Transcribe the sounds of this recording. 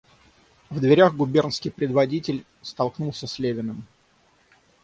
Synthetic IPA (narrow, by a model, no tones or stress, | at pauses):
vd̪vʲɪɾʲaɣɡʊbʲernskʲɪjpɾʲɪd̪vɐdʲitʲɪlʲ | st̪ɐlˠknulˠsʲəsʲlʲevʲɪnəm